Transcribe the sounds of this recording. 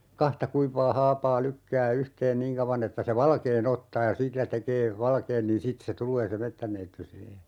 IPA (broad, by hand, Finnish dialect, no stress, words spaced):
kɑhtɑ kuiʋˑɑː hɑːpɑː lykːæː yhteːn niːŋ kɑuʋɑn etːæ se ʋɑlkeːn otːɑː jɑ silːæ tekeː ʋɑlkeːn niːn sit se tulˑeː se metːænːeitːy siːhe